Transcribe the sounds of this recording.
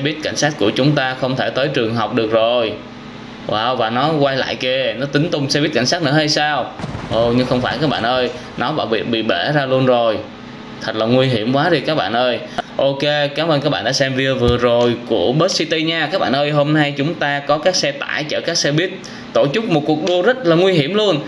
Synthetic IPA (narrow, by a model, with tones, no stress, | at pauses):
sɛ˧ɓi˦˥ət̚ka̰˧˩jŋ̟saː˦˥t̚ku˧˩ət͡ɕʊ˨˦ŋ͡mt̪aː˧xə˧wŋ͡mt̪ʰe˧˩t̪əː˨˦jt͡ɕɨ˨˩əŋɦa˨˩wk͡p̚ɗɨ˨˩ək̚zo˨˩j | waː˧˩wvaː˨˩nɔ˨˦kwa˧jla̰ː˧˨jke˧nɔ˨˦t̪ï˨˦ŋ̟t̪ʊ˧wŋ͡msɛ̰˧ɓi˦˥ət̚ka˧˩jŋ̟saː˦˥t̚nɨ̰˧˥əha˧jsaː˧wʔo˧˩ɲɨ˧ŋxə˧wŋ͡mfaː˧˩jkaː˦˥k̚ɓa̰ː˧˨nʔəː˧j | nɔ˨˦ɓa̰ː˧˩ḭ˧˨ɓḭ˧˨ɓe˧˩zaː˧lu˧ənzo˨˩j | t̪ʰə˨˩t̚laː˨˩ŋwi˧ɦi˧˩əmkwaː˨˦zi˨˩kaː˦˥k̚ɓa̰ː˧˨nʔəː˧j | ʔo˧ke˧kaː˨˦mʔə˧nkaː˦˥k̚ɓaː˧˨ɗa̰ː˧sɛ˧mvi˧əvɨ˨˩əzo˨˩jku˧˩əɓe˦˥t̚si˧t̪i˧ɲaː˧kaː˦˥k̚ɓa̰ː˧˨nʔəː˧jɦo˧mna˧jt͡ɕʊ˨˦ŋ͡mt̪aː˧kɔ˨˦kaː˦˥k̚sɛ˧t̪a̰ː˧˩jt͡ɕəː˧˩kaː˦˥k̚sɛ˧ɓi˦˥ət̚ | t̪o˧˩t͡ɕɨ˦˥k̚mo˨˩t̚ku˨˩ək̚ɗu˧əzə˦˥t̚laː˨˩ŋwi˧ɦi˧˩əmlu˧ən